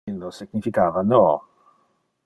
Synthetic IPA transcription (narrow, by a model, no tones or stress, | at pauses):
inosiɡɲifikaːvanɔ